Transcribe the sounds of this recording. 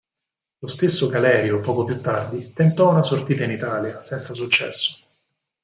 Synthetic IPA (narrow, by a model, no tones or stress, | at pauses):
lost̪esːoɡalɛːɾjopɔːkopjut̪ːard̪it̪ent̪ɔunasort̪iːt̪ainit̪aːljasɛnt̪sasut͡ʃːɛ̰sːo̥